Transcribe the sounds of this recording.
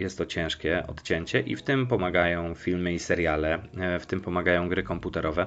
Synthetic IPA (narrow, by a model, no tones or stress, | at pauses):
jɛst̪ːɔt͡ɕɛ̃ʂkʲɛʔɔ̰t̪t͡ɕɛɲt͡ɕɛʔḭft̪ɘmpɔmaɡajɔ̃w̃fʲilmɘisɛɾjalɛft̪ɘmpɔmaɡajɔ̃w̃ɡɾɘkɔmput̪ɛɾʔɔvɛ